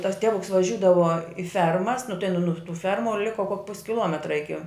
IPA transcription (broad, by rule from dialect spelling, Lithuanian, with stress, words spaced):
tɐs ˈtʲæːʋʊks ʋɐˈʒʲuːdɐʋɐ ɪ ˈfʲɛrmɐs nʊ tɐɪ nʊ nʊ tuː ˈfʲɛrmʊ ˈlʲɪkoː koːk pʊsʲ kʲɪˈlˠoːmʲɛtrɐ ˈɪkʲɪ